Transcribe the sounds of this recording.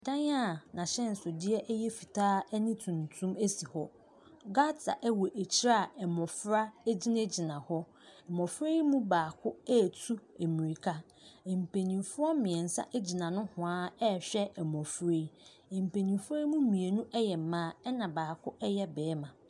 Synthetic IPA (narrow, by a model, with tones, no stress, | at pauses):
dã˦ɲ˦a˦˨nã˨ɕɛ̃˦n̩˨sʊ˨dɪ˦ɛ˦ʔɛ˦jɛ˦fi˨tʰaː˦nĩ˦tʰũ˨n˨tʰũ˦me˦si˨hɔ˦ | ɡa˦ta̰˨ʔɛ˦wɔ˨ʔæ˨t͡ɕʰi˦ɾa˦˨ɛ˨mɔ̃˨fɾa˦e˦d͡ʑi˦nẽ˦d͡ʑi˨nã˨hɔ˦ | ɛ˨mɔ̃˨fɾe˦mũ˦baː˨kʰʊ˦ɛ˦˨tʰu˦e˨mĩ˨ɾi˨kʰa˦˨ | m̩˨pʰe˨nĩ˨mfʊ˦ɔ˦mɪ̃˨ɛ̃˨n̩˨sa̰˦ʔɛ˦d͡ʑi˨nã˨nʊ̃˦hʊ̃˨aː˦ɛ˦˨ɕᶣɛ˦ɛ˨mɔ̃˨fɾe˦ | ɛ˨m̩˨pʰe˨nĩ˨mfʊ˦ɛ˦mũ˦mĩ˨e˨nũ˦ʔɛ˦jɛ˨m̩˦mãː˦ɛ˦nã˨baː˨kʰʊ˦ʔɛ˦jɛ˦bɛː˨˦mã˨